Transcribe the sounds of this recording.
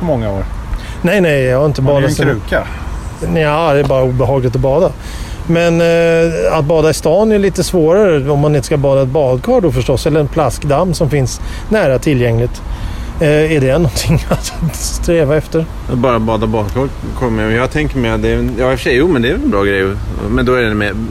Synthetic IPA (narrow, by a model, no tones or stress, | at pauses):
mɔŋːaoːɾ | nɛjnɛjjɑhaɾɪnt̪əbɑːd̪asɾʉːka | naːd̪ɛbɑːɾauːbɛɦɑːɡlɪt̪̬ɔbɑːd̪a | mɛn | at̪̚bɑːd̪aɪst̪ɑːnæɭiːt̪əsvoːɾaɾəɔmːanɪnt̪ə̥skabɑːd̪aɛt̪̚bɑːd̪kʰɑːɖɔfœʂʈɔsɛlːəɾɛnpʰlaskd̪amːsɔmfɪns | næːɾat̪ʰɪlːjɛŋlɪt̪ | æɖɛnɔnt̪ʰɪŋːat̪st̪ɾeːvaɛft̪əɾ | at̪bɑːɾat̪̚bɑːd̪abɑːd̪kʰɑːɖ | kʰɔmːəjjɑːɡt̪ʰɛŋkəɾmɛat̪d̪ɛjɑːɪfəʂɛjːuːmɛnd̪ɛæːɾvɛɛnbɾɑːɡɾɛjmɛnd̪ɔæɾɛnmɛ